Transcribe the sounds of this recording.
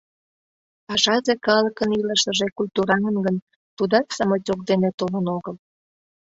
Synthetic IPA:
ɑʒɑzekɑləkəniləʃəʒekulʲt̪uɾɑŋənɡən | t̪ud̪ɑksɑmətʲokd̪enet̪olənoɣəl

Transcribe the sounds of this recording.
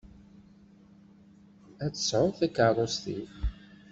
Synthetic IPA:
æt͡sːə̥sʕʊɾθækːərˤost̪ḭθ

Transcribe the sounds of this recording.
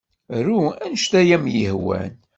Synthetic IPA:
ɾuænʃt̪æjæmjə̰hwæ̰n

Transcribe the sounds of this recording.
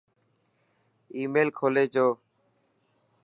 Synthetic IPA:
iːmeːlkʰoːleːt͡ʃoː

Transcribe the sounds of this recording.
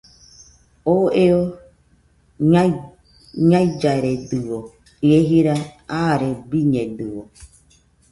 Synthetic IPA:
oeo | ɲaid͡ʒaɾeduwo | ieɦiɾaaɾebiɲẽduo

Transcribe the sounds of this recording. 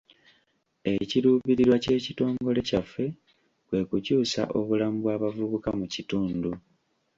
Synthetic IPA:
e̞ciɾuːβiɾiɾwace̞ːcito̞ːŋɡo̞le̞cafːe̞ | βwe̞kucuːsa̰ʔo̞βulamuβwaːβavuβukamucituːndu

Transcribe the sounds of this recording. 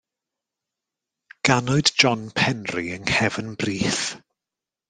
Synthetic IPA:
ɡ̥anʊɨdd͡ʒɔnpʰɛnriəŋhɛvənbriːθ

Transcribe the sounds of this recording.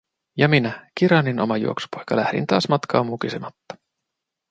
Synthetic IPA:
jɑminæk̟iɾɑnːinʔo̞̰mɑjṵo̞̰ksu̥pojkɑlæhɾḭnt̪ɑːsmɑt̪kʰɑːmːukisemɑt̪ːɑ̥

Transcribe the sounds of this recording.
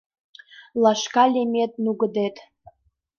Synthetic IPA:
lˠaʃkalʲemʲet̪̚ʼnuɡəd̪et̪ʼ

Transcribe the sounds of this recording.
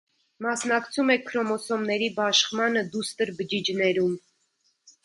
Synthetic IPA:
mɑsnɑkt͡sʰumɛkʰːɾɔmɔsɔmnɛɾibɑʃχmɑnəd̪ust̪əɾbəd͡ʒid͡ʒnɛɾum

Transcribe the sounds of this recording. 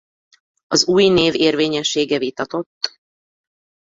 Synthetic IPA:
ɒzuːjneːveːrveːɲɛʃːeːɡɛvit̪ɒt̪o̞t̪ː

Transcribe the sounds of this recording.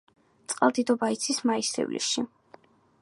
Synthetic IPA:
t̪sʼqʼa̰lˠd̪id̪ɔbait̪sʰismaisɛ̰vlḭsʃi

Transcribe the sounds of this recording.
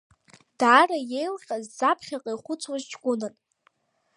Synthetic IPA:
d̥aːraje̞jlχʲʼazːapʰχʲaqʼajχʷʊt͡sʰwazt͡ʃɡʷʊnɨn

